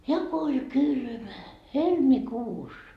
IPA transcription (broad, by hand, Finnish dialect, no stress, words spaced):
jɑ ko olʲ kylmæ helmikuːs